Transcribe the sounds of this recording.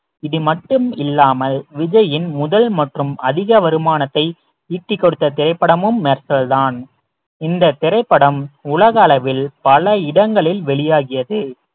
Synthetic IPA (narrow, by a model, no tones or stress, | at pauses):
ɪðɯmɐʈːɯmɪlːaːmɐlʋɪd͡ʒɐjɪnmʊðɐlmɐʈrɯmɐðɪɣɐʋɐɾɯmaːnɐt̪ːɐɪ | iːʈːɪkːɔɽɯt̪ːɐt̪ɪɾɐɪpːɐɽɐmɯmːeːɾsɐlðaːn | ɪnd̪ɐt̪ɪɾɐɪpːɐɽɐmʊlɐɣɐːlɐʋɪlpɐlɐɪɽɐŋɡɐɭɪlʋɛɭɪjaːɣɪjɐðɯ